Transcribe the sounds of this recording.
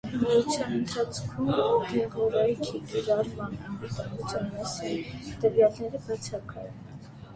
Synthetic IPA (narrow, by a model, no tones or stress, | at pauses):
mɔut͡sʰjɑnənt̪ʰɑt͡sʰkʰumɔd̪ɛʁɔɾɑjkʰikiɾɑɾmɑnɑmut̪ɑut͡sɑnmɛsint̪əvjɑlnɛɾəbɑt͡sʰɑkɑ̰jɛn